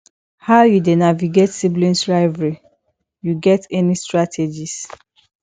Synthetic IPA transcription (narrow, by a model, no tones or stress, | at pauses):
haʊjudenaviɡetsiblĩnsɹaɪvɹi | juɡɛtɛnistɹatʰed͡ʒis